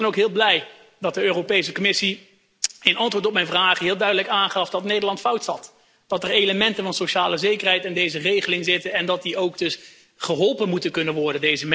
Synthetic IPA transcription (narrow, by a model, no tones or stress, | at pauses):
ɛnowkɦɪːlˠblɛj | dɑt̚dəøːropejs̬əkomɪsi | ɪnɑntʋʊːɹtɔp̚mɛjnvraːχəɦɪːlˠdœɥdələkaːnχɑfdɑtnejdəɹlɑntfʌwtsɑt | d̥ɑtərejləmɛntəvɑnsoʃaːləzejkərɦɛjtɛndejzərejχəlɪŋzɪtənɛndɑt̚diʔowkdɵs | χəɦɔlˠpənmutəkɵnənʋɔɹdəndejzəm